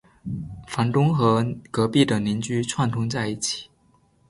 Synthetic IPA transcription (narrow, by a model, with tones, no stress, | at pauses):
fa˧˥nt̪ʊ˥ŋxɤ˧˥kɤ˧˥pi˥˩d̪ə˩ni˧˥nt͡ɕy˥t͡sʰwa˥˩nt̪ʰʊ˥ŋt͡sa˥˧ɪi˥˩t͡ɕʰi̥˨˩˦